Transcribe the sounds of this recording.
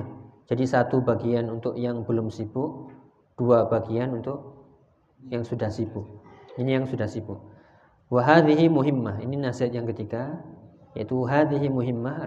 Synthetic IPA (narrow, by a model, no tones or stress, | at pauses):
d͡ʒadisat̪ubaɡianunt̪ʊʔjaŋbəlʊmsibʊʔ | d̥uabaɡianunt̪ʊʔ̚ | jaŋsudahsibʊʔinijaŋsudahsibʊʔ | waɦaðiɦimuɦɪmːahḭninasiɦat̪̚jaŋkət̪iɡa | ja̰it̪uɦaðiɦimuɦimːa